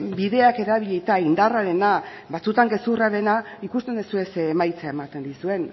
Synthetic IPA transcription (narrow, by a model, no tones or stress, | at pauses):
biðe̞ake̞ɾaβiʎejt̪aind̪araɾe̞na | βat͡sut̪aŋɡe̞suraɾe̞naikust̪e̞nd̪esue̞semajt͡seae̞mat̪e̞nd̪isue̞n